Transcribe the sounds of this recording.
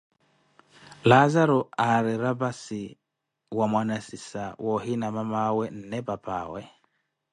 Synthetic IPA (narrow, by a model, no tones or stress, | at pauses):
lazaɾɔaɾiɾabasi | wamwanasisawɔɦinamamawɛn̩nɛbapaːwɛ